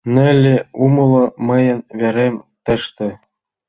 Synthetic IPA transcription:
nɘ̆lʲːeumɤ̆lˠɤ̆mɤ̆jɤ̆nvʲeɾʲemʲt̪ɘ̆ʃt̪ɘ̆

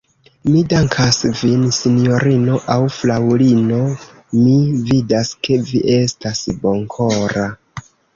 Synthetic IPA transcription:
midaŋkʰasvinsinijo̞ɾino̞ʔawflawlino̞ | mividaske̞viʔe̞stasboŋkʰoɾa

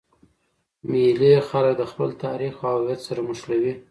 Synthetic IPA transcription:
milixalək̚d̪əxpəlt̪ɑɾixaljat̪saɾamʊʃlawi

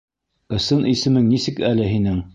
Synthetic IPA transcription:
ɤ̆sɤnʔisɘ̆mɘŋnisɘkælɘɦinɘŋ

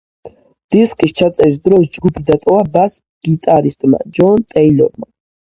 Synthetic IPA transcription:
d̪̥iskʼist͡ʃʰat̪sʼɛɾis̬d̪ɾɔsd͡ʒɡupʰid̪at̪ʼɔvabas | ɡ̥it̪ʼaɾist̪ʼma̰d͡ʒɔnt̪ʼɛilɔ̰ɾma

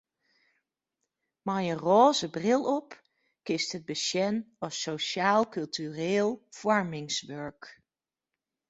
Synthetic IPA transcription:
majənroːzəbrɪlˠɔp | kɪstɦəd̚bəʃɛnɑsowʃaːlˠkɵlˠtyreːlˠv̥ɔɹmɪŋsʋœɹk

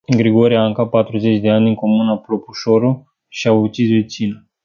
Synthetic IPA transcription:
ɨŋɡɾiɡoɾiaɨŋkat̪̚pat̪ɾuze̞t͡ʃʲd̪e̞anʲd̪iŋko̞munapɾopuʃoɾu | ʃiaut͡ʃisvet͡ʃina

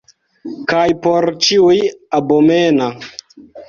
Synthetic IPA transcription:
kajpoɾt͡ʃiujabomena

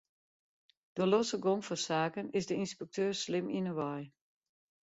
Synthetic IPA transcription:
d̥olosəɡoŋfɔsaːkənɪsdəinspɛk̚tʰøːrslɪminəʋɔj

